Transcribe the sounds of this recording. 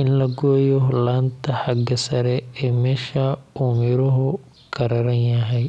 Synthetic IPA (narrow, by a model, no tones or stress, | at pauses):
ɪnlɐɡɔːjɔɦlaːnt̪ʰɐħɑɡɐsɐɾɛɛːmɛːʃɐuːmɪɾʊɦʊ | ɡʰɐɾɐɾɐnjɐɦɛj